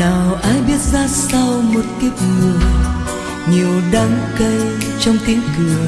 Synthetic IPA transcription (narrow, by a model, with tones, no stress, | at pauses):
naː˨˩wʔaː˨˦jɓi˦˥ət̚zaː˧sa˧wmo˨˩t̚ki˦˥p̚ŋɨ˨˩əj | ɲi˨˩əwɗa˨˦ŋkə˧j | t͡ɕɔ˧wŋ͡mt̪i˨˦ənkɨ˨˩ə